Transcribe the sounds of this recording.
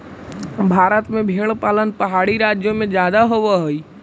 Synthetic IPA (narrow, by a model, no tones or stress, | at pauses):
bʱaːɾət̪mẽbʱeːɽ̃paːlənpɐɦaːɽiɾaːd͡ʒjomẽzjaːd̪aɦoʋaɦoiː